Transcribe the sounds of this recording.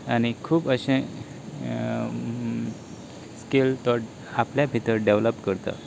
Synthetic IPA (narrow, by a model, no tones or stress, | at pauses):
añikʰuːbəɕẽ | skelt̪ɔɾ | apljabʱit̪əɾɖeʋləpkəɾt̪ə̰